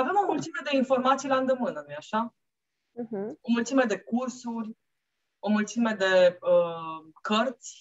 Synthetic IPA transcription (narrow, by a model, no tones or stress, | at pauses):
ave̞mo̞mult̪sime̞d̪e̞info̞rmat̪sijland̪emɨnənujaʃa | ɦ̩o̞mult̪sime̞d̪e̞kursurʲ | o̞mult̪sime̞d̪e̞əkərt̪sʲ